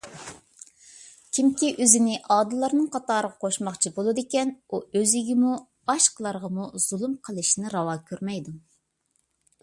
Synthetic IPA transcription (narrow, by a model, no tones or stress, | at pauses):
kʲʰimkʲiʔøzɪnɪʔɑːd̪ɨlˠɑɾnɨŋqʰɑt̪ɑːɾəʁɑqʰoʃmɑχt͡ʃʰibolˠɨd̪ɪkʲɛnuøziɡʲimu | ɑʃqəlˠɑɾʁɑmuz̥ulˠumqʰəlˠɨʃnɪɾɑwɑːkʲʰøɾmɛjd̪u